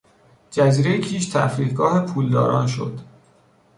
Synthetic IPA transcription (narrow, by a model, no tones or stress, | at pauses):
d͡ʒæziːɾe̞jecʰiːʃt̪ʰæ̰fɾiːdɡɒːɦepʰuːld̪ɒ̰ːɾɒ̰ːnʃo̞̰d̪̥